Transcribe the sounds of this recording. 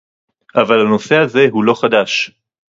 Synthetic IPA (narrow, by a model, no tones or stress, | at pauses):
ʔavalhano̞se̞aze̞ɦulo̞χad̪aʃ